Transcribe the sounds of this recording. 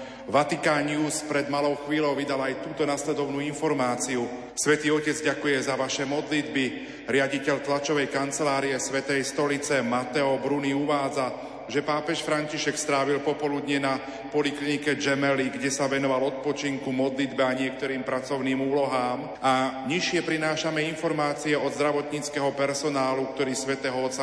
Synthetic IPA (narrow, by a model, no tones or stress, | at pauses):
ʋat̪ikaːɲuːspɾɛd̪malɔʊxʋiːlɔʊʋid̪alajt̪uːt̪ɔnaslɛd̪ɔʊnuːinfɔɾmaːt͡siu | sʋɛt̪iːɔcɛd͡zɟakujɛzaʋaʃɛmɔd̪lid̪bi | ɾɪaɟicɛʎt̪lat͡ʃɔʋɛjkant͡sɛlaːɾiɛsʋɛt̪ɛjst̪ɔlit͡sɛmat̪ɛɔbɾuniuʋaːd͡za | ʒɛpaːpɛʃfɾaɲciʃɛkst̪ɾaːʋilpɔpɔlud̪ɲɛna | pɔliklinikɛd͡ʒɛmɛliɡɟɛsaʋɛnɔʋalɔt̪̚pɔt͡ʃiŋkumɔd̪lid̪bɛaɲɪɛkt̪ɔɾiːmpɾat͡sɔʊniːmuːlɔɦaːm | aɲiʃɪɛpɾinaːʃamɛinfɔɾmaːt͡siɛɔd̪zd̪ɾaʋɔt̪ɲit͡skɛɦɔpɛɾsɔnaːluk̚t̪ɔɾiːsʋɛt̪ɛːɦɔɔt̪sa